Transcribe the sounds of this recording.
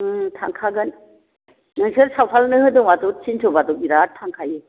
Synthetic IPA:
tʰaŋkʰaɡɯn | nɯŋsɯɾsawpʰalnɯhɯdɔŋwatɔsʰinsʰɔbatɔkiɾatʰːaŋkʰaje

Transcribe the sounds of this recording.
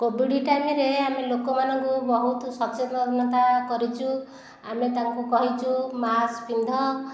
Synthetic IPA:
kobiɽiʈamiɾeamelokɔmanɔŋkubɔɦut̪sɔkt͡ʃeɔnːɔt̪akɔɾit͡ʃʰu | amet̪aŋkukɔɦit͡ʃʰumaspind̪ʱɔ

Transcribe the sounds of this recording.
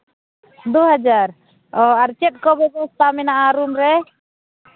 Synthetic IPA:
d̪uɦad͡ʒaɾ | ɔaɾt͡ʃɛt̪̚kɔbɛɡɔst̪ʰamɛnaʔaɾumɾɛ

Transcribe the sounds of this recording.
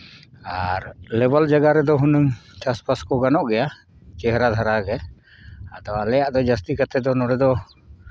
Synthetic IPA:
aɾlɛbald͡ʒaɡaɾɛd̪ɔɦunuŋt͡ʃaspaskɔɡanɔʔɡɛja | t͡ʃɛɦɾad̪ʱaɾaɡɛ | ad̪ɔalɛjaʔd̪ɔd͡ʒast̪ikat̪ɛd̪ɔnɔɾɛd̪ɔ

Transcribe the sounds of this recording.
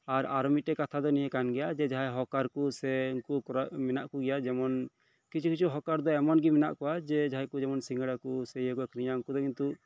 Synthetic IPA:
aɾaɾɔmitɛkat̪ʰad̪ɔnijekanɡɛjad͡ʒɛd͡ʒaɦaɦɔkaɾkusɛŋkukɔɾɔʔmɛnaʔkuɡɛjad͡ʒɛmɔn | kit͡ʃʰukit͡ʃʰuɦɔkaɾd̪ɔɛmɔnɡimɛna̰ʔkɔwad͡ʒɛd͡ʒaɦajkud͡ʒɛmɔnsiŋɡəɽakusɛjəkɔkɾijauŋkud̪ɔkint̪u

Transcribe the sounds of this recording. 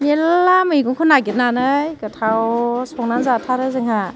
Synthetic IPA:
nelːamɯiɡuŋkʰɯnaɡit̚nanɯjkɯtʰawsɔŋnanzatʰaɾɯzɯŋɦa

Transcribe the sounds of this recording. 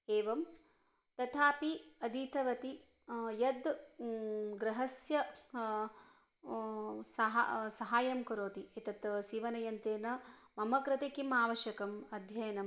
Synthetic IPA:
eːʋɐm | t̪ɐt̪ʰaːpiɐd̪it̪ʰɐʋɐt̪i | jɐd̪ | ɡɾɐɦɐsjɐ | sɐɦa̰sɐɦaːjɐmkɐɾoːt̪iet̪ɐt̪siːʋɐnɐjɐnt̪eːnɐmɐmɐkɾɐt̪ekimaːʋɐʃɐkɐmɐd̪ʱjɐjɐnɐm

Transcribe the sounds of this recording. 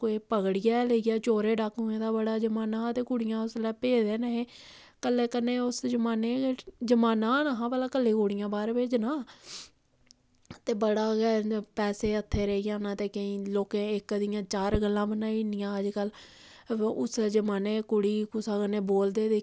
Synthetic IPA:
koeːpəɡɽɪjaːləiɡaːt͡ʃoːɾeːɖakɦʊẽːd̪aːbəɽaːd͡ʒəmaːnãːt̪eːkʊɽɪjãːʊslɛːpeːd̪eːnəɦẽː | kəlːeːkəneːʊsd͡ʒəmaːneːd͡ʒəmaːnãːnaɦãːbəlaːkəlːeːkʊɽɪjãːbaːɾbeːd͡ʒnaː | t̪eːbəɽaːɡɛːpɛːseːət̪ʰːeːɾəijãːnãːt̪eːkəĩːloːkẽːɪkd̪ɪjãːt͡ʃaːɾɡəlːãːbənaːiːnɪjãːəd͡ʒkəl | ʊsd͡ʒəmaːneːkʊɽiːkʊsaːkəneːboːld̪eːd̪e

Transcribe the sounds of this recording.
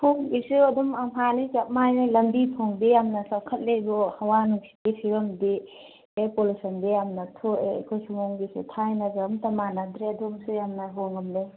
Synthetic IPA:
pʰuŋɡisuɐdumɐmanikap̚majnalɐmbitʰoŋdijamnɐsɐkʰɐt̚lebɔhɐwanuksi̥dipʰiɾɔmdi | epolusɐndijamnɐtʰoḛkʰojsumoŋɡisṵtʰajnɐɡamtɐmanad̪ɾeɐdumsujamnɐɦoŋɐmle

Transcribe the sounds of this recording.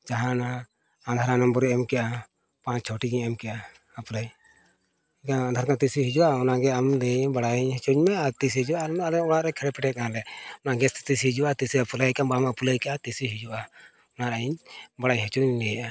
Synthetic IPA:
d͡ʒaɦanaː | nd̪ʱaɾanɔmbɔɾɛɛmkɛʔa | pãt͡ʃt͡ʃʰɔʈiɡiɲɛmkɛjʔa | aplaj | kaŋand̪ʱaɾkat̪isiɦid͡ʒuaɔnaɡɛamdɛbaɽajiɲɦɛt͡ʃuɲmɛat̪is̬ihid͡ʒuamalɛɔɽaʔɾɛkʰɛɽɛpɛʈɛt̪̚nalɛɔnaɡɛst̪ɛ̥t̪isiid͡ʒuat̪isiapulajkambamapulajkɛʔat̪isiɦid͡ʒuʔa | ɔnaɾaiɲbaɽaɲɦɛt͡ʃuɲnɛjʔa

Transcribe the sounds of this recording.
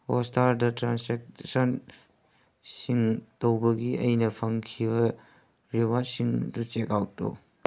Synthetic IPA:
ostaɾdɐtɾanseksɐn | siŋtowbɐɡiʔɐjnɐpʰɐŋkʰibɐ | ɾibasiŋdut͡ʃekawto̰

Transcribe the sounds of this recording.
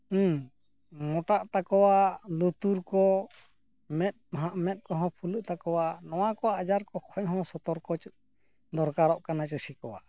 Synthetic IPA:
mɔʈaʔt̪akɔwalut̪uɾkɔ | mɛt̪̚ɦʔmɛt̪̚kɔɦɔ̃pʰuləʔt̪akɔwanɔwakɔaad͡ʒaɾkɔkʰɔʔɦɔ̃sɔt̪ɔɾkɔt͡ʃ | d̪ɔɾkaɾɔʔkanat͡ʃəsikɔwa̰ʔ

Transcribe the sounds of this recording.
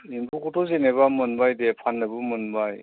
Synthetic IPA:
imbukɔtɔzeneβamɯnbajdepʰanːɯbɯmɯnbaj

